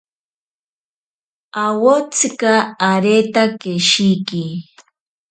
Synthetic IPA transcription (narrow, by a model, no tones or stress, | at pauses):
awot͡skɑaɾet̪akeʃijkɪ